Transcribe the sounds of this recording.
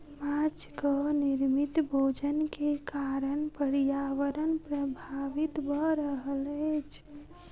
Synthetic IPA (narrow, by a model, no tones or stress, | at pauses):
mat͡ʃkəniɾmit̪bʱod͡ʒənkekaɾənpəɽijaʋəɾənpɾəbʱaʋit̪bʱəɾəɦəlet͡ʃʰ